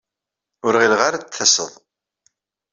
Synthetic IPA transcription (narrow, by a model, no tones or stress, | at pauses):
ʊɾʁilʁaɾθəsə̰ðˤ